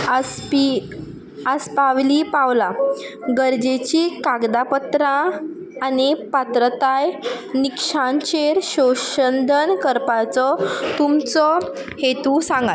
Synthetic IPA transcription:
aspi | əspaʋliːpaʋlaɡəɾd͡ʑet͡ɕiːkaɡd̪apət̪ɾãː | nipat̪ɾət̪ajnikʂãnt͡ɕeɾɕoɕənd̪ʱənkəɾpat͡sɔt̪umt͡sɔ | het̪ũsãŋɡa

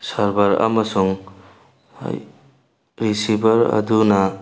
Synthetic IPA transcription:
sɐɾbɐɾa̰mɐsuŋ | ɾisibɐɾɐ̰dunɐ

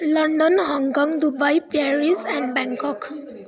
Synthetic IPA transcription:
lʌɳɖɔnɦɔŋkɔ̃ŋd̪ubajpaɾisɛ̃ɳɖbãŋkɔk

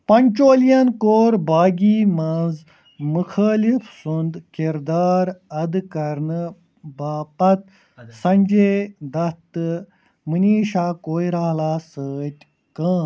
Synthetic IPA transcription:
pɐɲʲt͡ʃoːljɐnkoːɾbaːɡiːmãnz | mukʰaːlifsund̪kiɾd̪aːɾɐd̪kɐɾn | baːpɐt̪̚ | sɐ̃ɲʲd͡ʒeːd̪ɐt̪ɨ | mɨniːʃaːkoːiɾaːɦlaːsəːt̪ʲ | kãː

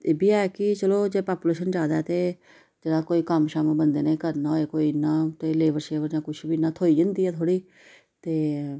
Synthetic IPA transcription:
eːbiːaːɛkɪt͡ʃəloːd͡ʒeːpaːpuleːʃənd͡ʒaːd̪aɛːt̪eː | d͡ʒeːɽãːkoːiːkəmʃaːməbənd̪eːnːĩkəɾnãːoːeːkoːiːnaːt̪eːleːʋəɾʃeːʋəɾd͡ʒãːkʊt͡ʃʰbiːnaːt̪ʰoːiːd͡ʒə̃nd̪iːɛːt̪ʰoːɽiː | t̪eː

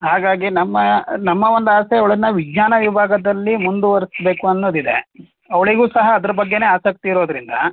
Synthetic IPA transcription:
ɦaːɡaːɡinɐmːɐnɐmːɐʋo̞nd̪uaːseɐʋɐɭɐnːɐʋid͡ʒɲaːnɐʋibʱaːɡɐd̪ɐlːimund̪uʋɐɾisbe̞ːkuɐnːoːd̪id̪e̞̰ | ɐʋɐɭiɡuːsɐɦɐːd̪ɐɾɐbɐɡːe̞ne̞ːaːsɐk̚t̪iːɾo̞ːd̪ɐɾind̪ɐ

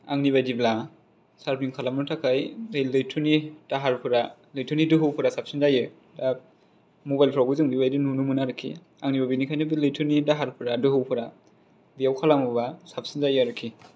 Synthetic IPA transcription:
a̰ŋniβajdibla | saɾpʰniŋkʰalamnutʰakʰajejlɯjtʰunid̥aɦaɾpʰɯɾa | lɯjtʰɯnidɯɦɯwpʰɯɾasap̚sinzajɯ | da | mobajlpʰɾawɡɯzɯŋbibajdinunumɯnaɾɯkʰːḭ | aŋnibabinikʰajnɯbilɯjtʰunidaɦaɾpʰɯɾadɯɦɯwpʰɯɾa | bijawkʰalamɯbasap̚sinzajɯɾɯkʰːi

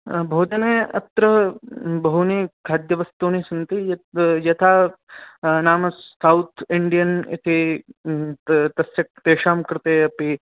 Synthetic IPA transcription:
bʱoːd͡ʒɐneːɐ̰t̪ɾɐbɐɦuniːkʰaːd̪jɐʋɐst̪oːnisɐnt̪ijjɐt̪ʰaː | naːmɐsɐwt̪ʰiɳɖijɐnḭt̪ʰi | t̪ɐsjɐk̚t̪eːʂaːmkɾɪt̪eːɐpi

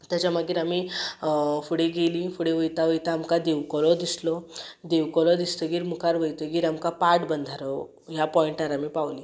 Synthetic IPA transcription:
t̪jat͡ɕjamaɡiːɾami | fuɽeɡeliːfuɽeʋəjt̪aʋəjt̪aːmkad̪eʋkɔlɔd̪islɔd̪eʋkɔlɔd̪ist̪əɡiːɾmukʰaɾʋəjt̪əɡiːɾamkapaɾʈbənd̪ʱaɾɔ | ɦjapɔiɳʈaɾamiːpawliː

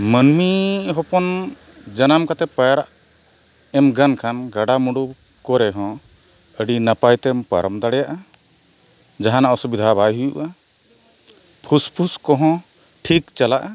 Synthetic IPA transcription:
mənmiɦɔpɔn | d͡ʒanamkat̪ɛpajaɾaʔ | ɛmɡankʰanɡaɖamuɖu | kɔɾɛɦɔ̃ | əɖinapajt̪ɛmpa̰ɾəmd̪aɽɛjaʔa | d͡ʒaɦanaʔɔsubid̪ʱabajɦujuʔa | pʰuspʰuskɔɦɔ̃ | ʈʰikt͡ʃalaʔa

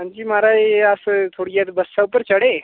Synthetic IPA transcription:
mənd͡ʑiːmaɾajasət̪ʰoɽiat̪bəsawpəɾt͡ʃəɽe

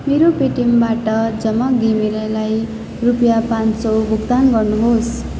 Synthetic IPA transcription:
meɾopeʈimbaʈʌd͡zʌmːʌɡʱimilʌlaj | rupjapãnsʌwbʱuɡt̪anɡʌrnuɦos

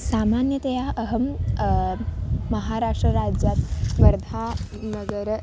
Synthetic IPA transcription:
samanjət̪ɐjaəɦəm | əɦaɾaʂʈɾəɾad͡ʑjat̪ʋɐɾd̪ʱa | nəɡəɾ

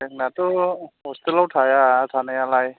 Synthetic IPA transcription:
ɛknatɔɦɔst̪elawtʰajatʰanajalaj

